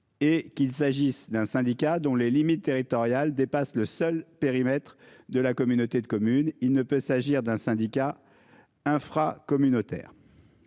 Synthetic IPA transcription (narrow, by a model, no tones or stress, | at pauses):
ekʲilsaʒisd̪ɛ̃sɛ̃d̪ikʲad̪ɔ̃lelimit̪ːeʁit̪ɔʁjald̪epasləsœlpeʁimɛt̪χ | d̪əlakɔmynot̪ed̪əkɔmynilnəpøsaʒiʁd̪ɛ̃sɛ̃d̪ika | ɛ̃fχakɔmynot̪ɛ̰ːʁ